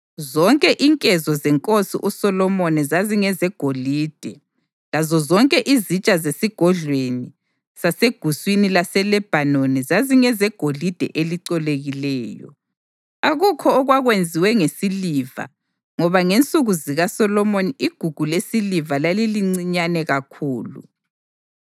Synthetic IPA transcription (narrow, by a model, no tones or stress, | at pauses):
zɔŋkʼɛʔiŋkʼɛzɔzɛŋkʼosḭʔusɔlɔmɔnizaziŋɛzɛɡ̥ʱoliːd̥ʱɛ | lazɔzɔŋkʼɛʔizit͡ʃʼazesiɡ̥ʱɔɮweni | saseɡ̥ʱuswinilasɛlɛb̥ʱanɔnɛzaziŋɛzɛɡ̥ʱolid̥ʱɛ̰ʔeliǀɔleɣilɛːjɔ̰ | aɣukʰɔːɣwaɣwend͡zʱiwɛŋesiliva̰ | ŋɔβaŋent͡sʼuɣuziɣasɔlɔmoniiɡ̥ʱuɡ̥ʱulesilivalaliliŋ͡ǀiɲanɛɣakʰuːlṵ